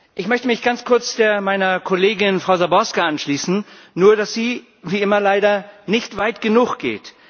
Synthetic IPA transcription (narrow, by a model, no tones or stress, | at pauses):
ʔɪçmœçtəmɪçɡ̥ant͡skʰʊɐt͡sd̥eːɐmaɪnɐkʰoleːɡɪnfʁ̥aʊzabɔskaʔanʃliːsn̩ | nuːɐdasz̥iː | viːʔɪmɐlaɪɾɐnɪçtv̥aɪtɡ̥ənuːxɡ̥ḛːt